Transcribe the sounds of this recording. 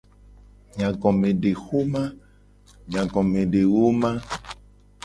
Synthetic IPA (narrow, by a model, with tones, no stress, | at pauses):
ɲã˨ɡɔ˨mẽ˨ɖe˨xu˦mã˦ | ɲã˨ɡɔ̃˨mẽ˨ɖe˨wo˦mã˦